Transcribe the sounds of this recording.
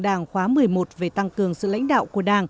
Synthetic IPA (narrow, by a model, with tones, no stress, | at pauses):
ɗaː˧˩ŋxwaː˨˦mɨ˨˩əjmo˨˩t̚ve˨˩t̪a˧ŋkɨ˨˩əŋsɨ̰˧˨la̰˧˥jŋ̟ɗa̰ː˧˨wku˧˩əɗaː˧˩ŋ